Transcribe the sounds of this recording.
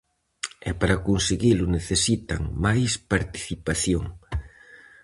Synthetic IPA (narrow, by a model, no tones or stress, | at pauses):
ɛpaɾakonseɣilʊneθesit̪a̰ŋmajspaɾt̪i̥θipaθjoŋ